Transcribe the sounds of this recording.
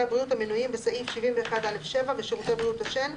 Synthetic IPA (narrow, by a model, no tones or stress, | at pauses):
abʁijutaminujimbesaʔifʃivimbeːχadale̞fʃe̞vaveʃeʁutejbʁiuthaʃen